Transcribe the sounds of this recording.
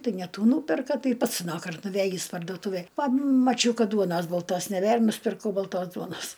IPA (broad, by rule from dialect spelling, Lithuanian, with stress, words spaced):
ˈtɐɪ nʲɛ ˈtuː ˈnuːpʲɛrkɐ ˈtɐɪ ˈpɐts ɐˈnɑːkɐrt nʊˈʋʲeːjiːs pɐrduɔˈtuːʋʲeːj pɐmɐˈt͡ʃʲɛʊ ˈkɐt ˈduɔnɐs bɐlˠˈtoːs nʲɛˈbʲeːr nʊsʲɪpʲɪrˈkɐʊ bɐlˠˈtoːs ˈduɔnɐs